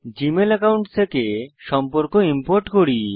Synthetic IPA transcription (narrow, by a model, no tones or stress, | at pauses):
d͡ʑimelɛkawɳʈt̪ʰekeʃɔmpoɾkoimpoɾʈkoɾi